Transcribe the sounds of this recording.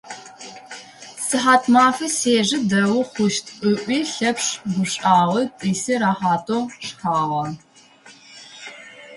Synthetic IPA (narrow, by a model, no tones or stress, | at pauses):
sɨħaːtʰmaːfɨseːʒɨdɐwʊχʷʊʃtʰʼʊʔʷiːɬɐpʂɡʷʊɕʼaːʁɨtʼiːsɨɾaːħaːtʰoʂxaːʁɐ